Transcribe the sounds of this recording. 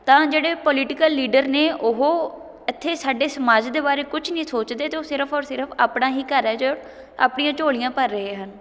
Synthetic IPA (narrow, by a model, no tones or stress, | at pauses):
t̪ãːd͡ʒeːɽeːpɔlɪʈɪkəlːiːɖəɾneːʔʊɦoː | ɪt̪ʰːeːsaːɖeːsəmaːd͡ʒd̪eːbaːɾeːkʊt͡ʃʰnĩːsoːt͡ʃd̪eːt̪esɪɾəpʰɔːɾsɪɾəpʰaːpɽãːɦiːkəɾɛːd͡ʒoː | a̰ːpɳnijãːt͡ʃoːɭɪjãːpəɾːəɦeːɦən